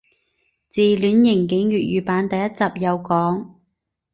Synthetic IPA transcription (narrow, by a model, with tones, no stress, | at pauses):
t͡siː˨lyː˨˥njɪ˨˩ŋkɪ˨˥ŋjyː˨t̚ɥyː˨paː˨˧˥nt̪ɐ˨˧jːɐ˥t̚t͡saː˨˩p̚jɐ˨˧wkɔː˨˥ŋ